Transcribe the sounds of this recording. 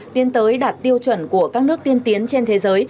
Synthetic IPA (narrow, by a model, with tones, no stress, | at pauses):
t̪i˨˧ənt̪əː˨˦jɗaː˨˩t̚t̪i˧əwt͡ɕwə˧˩nku˧˩əkaː˦˥k̚nɨ˦˥ək̚t̪i˧ənt̪i˨˦ənt͡ɕe˧nt̪ʰe˨˦zəː˨˦j